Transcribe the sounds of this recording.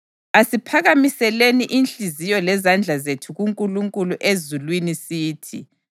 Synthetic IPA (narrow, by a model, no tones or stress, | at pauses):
asipʰaɣamisɛleniʔinɬizijɔlɛzand͡ɮʱazetʰuɣuŋkʼuluŋkʼuluʔezulwinisiːtʰḭ